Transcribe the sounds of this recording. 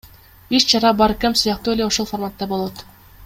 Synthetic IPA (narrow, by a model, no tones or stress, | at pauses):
it͡ʃt͡ʃɑɾɑbɑɾkemsujɑq̚t̪uːe̞le̞oʃo̞lˠformat̪ːɑbo̞lˠot̪